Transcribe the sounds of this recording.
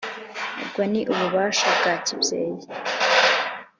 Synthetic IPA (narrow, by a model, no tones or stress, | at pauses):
ḛbɡoniʔuβuβaːʃabɡaːcibjḛːje